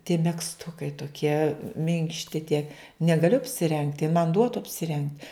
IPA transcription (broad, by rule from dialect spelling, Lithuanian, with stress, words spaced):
tʲiɛ mʲɛksˈtʊkɐɪ toːˈkʲiɛ ˈmʲɪŋkʃʲtʲɪ tʲiɛ nʲɛɡɐˈlʲʊ ɐpʲsʲɪˈrʲɛŋktʲ jɪn mɐn ˈduɔtʊ ɐpʲsʲɪˈrʲɛŋk